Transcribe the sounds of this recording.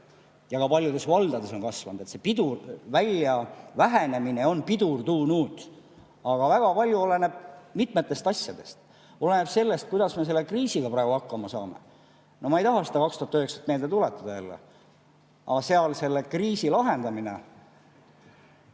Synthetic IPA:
jɑkɑpɑlʲjud̪e̞svɑld̪̥ɑd̪e̞so̞nkɑsvɑnud̪̥e̞t̪sepid̪urvælʲjɑvæɦe̞ne̞mine̞o̞npid̪urt̪uːnuːt̪ | ɑɡ̥ɑvæɡ̥ɑpɑlʲjuole̞neb̥̚mit̪ˑme̞t̪ːˑe̞st̪ɑsʲjɑd̪e̞st̪ | o̞le̞neb̥se̞lːe̞st̪̚kujd̪̥ɑsme̞s̬e̞lːekriːsiɡ̥ɑprɑˑːɡ̥uɑkːɑmɑsɑːme̞̰ | nʔo̞mɑejt̪ɑɦɑsed̪ɑkɑkst̪uɑt̪øhekset̪me̞ːld̪e̞t̪ulet̪ːˑɑd̪ɑjælːḛ | ɑ̰ɑseɑlse̞lːekriːsilɑɦe̞nd̪ɑmine̞̰

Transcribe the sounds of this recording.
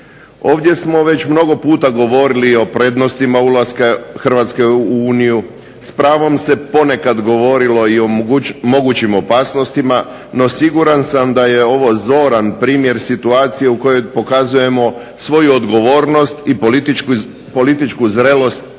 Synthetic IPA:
o̞ːʋd̪je̞smo̞ʋe̞t͡ɕmno̞ɡo̞puːt̪aɡo̞ʋo̞ɾilio̞pɾe̞d̪no̞st̪imaulˠaskaxr̩ʋaːt̪ske̞uːniju | spɾaːʋo̞mse̞po̞ne̞kad̪ɡo̞ʋo̞ɾilo̞iomo̞ɡut͡ʃimo̞paːsno̞st̪ima | no̞siɡuɾansamd̪ajeo̞ʋo̞zo̞ːɾanpɾiːmje̞ɾsit̪uaːt̪sije̞uko̞jo̞jpo̞kazuje̞mo̞ | sʋo̞juod̪ɡo̞ʋo̞ːɾno̞st̪i | po̞lit̪it͡ʃkuzɾelo̞st̪̚

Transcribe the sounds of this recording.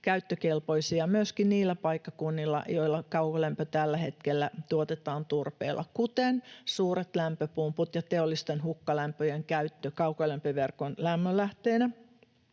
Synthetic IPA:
kæyt̪ːøkelpoisiɑmyøskinniːlːæpɑikːɑkunːilːɑ̰joilːɑkɑukolæmpøt̪ælːæhet̪kelːæt̪uot̪et̪ɑːnt̪urpḛːlːˑʔɑ̰kut̪ensuːret̪læmpøpumput̪jɑt̪eolːist̪enhukːɑlæmpøjeŋkæyt̪ːøkɑukolæmpøʋerkonlæmːølæht̪eːnæ

